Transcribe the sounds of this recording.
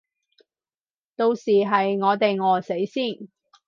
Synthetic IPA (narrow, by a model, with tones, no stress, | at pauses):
t̪o˧wsiː˨ɦɐ˨jŋɔː˨˧t̪e˨jŋɔː˨se˨˥jsiː˥˩n